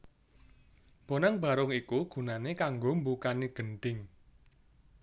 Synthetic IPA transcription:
b̥o̤naŋb̥a̤ɾʊŋikuɡ̥ṳnanekaŋɡombukaniɡ̥ə̤ɳɖ̪̥ɪŋ

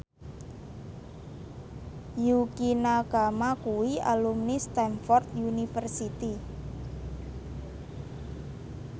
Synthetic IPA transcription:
jukinaɡ̥a̤makuwia̰lumnist̪ɛnfɔrt̪unifərsit̪i

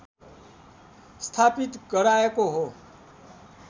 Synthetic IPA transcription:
st̪ʰapit̪ɡʌɾaekoɦo

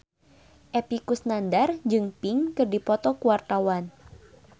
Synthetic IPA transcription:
ʔɛpikusnandarɲd͡ʒɨŋpiŋkɨrdipɔt̪ɔkuwart̪awan

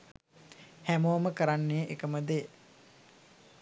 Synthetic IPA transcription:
hæmoːməkəɾanːeʔekəməd̪e

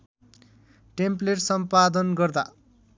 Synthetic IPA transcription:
ʈempleʈsʌmpad̪ʌnɡʌrd̪a̰

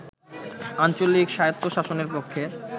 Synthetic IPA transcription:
ant͡ɕolikʃajot̪ːoʃaʃoneɾpokʰːe

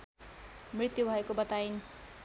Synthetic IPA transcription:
mrit̪jubʱʌekobʌt̪ajin

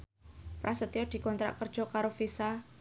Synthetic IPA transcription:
pɾʔasət̪iɔd̪̥i̤kɔnt̪ɾa̰ʔkər̥ʒ̥ɔ̤kaɾofisa

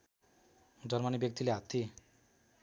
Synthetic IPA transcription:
d͡zʌɾmanibjʌk̚t̪ileɦat̪ːi

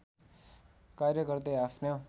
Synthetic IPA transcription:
karjʌɡʌɾd̪eapʰno

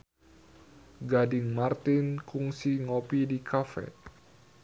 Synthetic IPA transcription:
ɡadɪŋmart̪inkuŋsiŋopidikʰafɛ̰

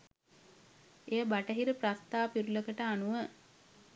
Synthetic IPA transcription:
ejəbaʈəɦiɾəprast̪aːpiɾuləkəʈəanuʋə

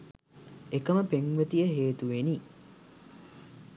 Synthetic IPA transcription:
ekəməpeŋʋət̪ijəɦeːt̪uʋeni

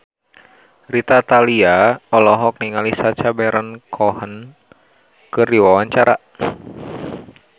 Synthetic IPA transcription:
rit̪at̪aliaɔlɔɦɔk̚niŋalisat͡ʃabɛɾənkʰɔhən | kɨrdiwawaɲt͡ʃaɾa

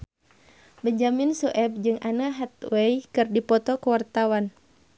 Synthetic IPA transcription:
bəɲd͡ʒaminsuʔɛb̚d͡ʒɨŋʔanaɦat̪wɛjkɨrdipɔt̪ɔkəwart̪awan

